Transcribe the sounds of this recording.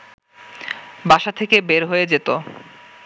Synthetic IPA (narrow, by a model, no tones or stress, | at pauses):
baʃat̪ʰekebeɾɦoed͡ʑet̪o